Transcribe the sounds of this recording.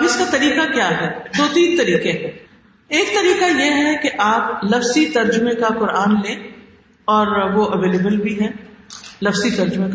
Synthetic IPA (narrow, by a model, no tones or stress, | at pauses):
ɐbɪskat̪ɐɾiːqakjaːɦɛːd̪oːt̪iːt̪ɐɾiːqeɦɛ̃ː | eːkt̪ɐɾiːqajeɦɛkeʔaːp̚lɐfsit̪ɐɾd͡ʒʊmẽkaqʊɾaːnlẽː | ɔːɾʋoʔɐʋeːleːbəlbʱiɦɛ̃ːlɐfsit̪ɐɾd͡ʒʊmẽk